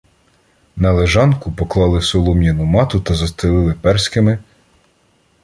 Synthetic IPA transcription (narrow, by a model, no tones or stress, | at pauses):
nɐlˠeʒɑnkʊpɔklˠɑlˠɪsɔlˠɔmʲjɐnʊmɑt̪ʊt̪ɐzɐst̪ɾɪlˠɪlˠɪpɛrsʲkɪmɪ